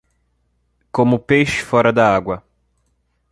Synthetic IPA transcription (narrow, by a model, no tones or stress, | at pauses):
kõmʊpejʃɪ̥fɔɾɐd̪ɐaɡwɐ